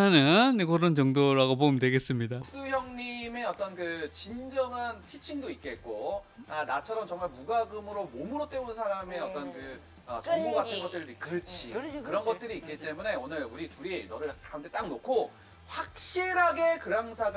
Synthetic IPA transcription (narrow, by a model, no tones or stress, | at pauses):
anɯnkʌɾʌnt͡ɕʌŋdoɾaɡopomntwe̞ɡe̞s͈ɯmɲidaks͈ɯçjʌŋɲime̞ʌt͈ʌnkɯt͡ɕind͡ʑʌŋantʰit͡ɕʰiŋdoit̚k͈e̞t̚k͈o | anat͡ɕʰʌɾʌmt͡ɕʌŋmaɭmuɡaɡɯmɯɾomomɯɾot͈e̞unsʰaɾame̞ʌt͈ʌnkɯ | ʌt͡ɕoŋboɡatʰɯnɡʌt͈̚ɯɾidkɯɾɯt͡ɕʰḭkɯɾʌnɡʌt̚t͈ɯɾiːk͈it͈e̞mune̞onɯɭuɾituɾienʌnɯɭkauntʰe̞t͈aŋnokʰo | ɸwak̚ɕ͈iɾɦaɡe̞kɯɾaŋsʰaɡ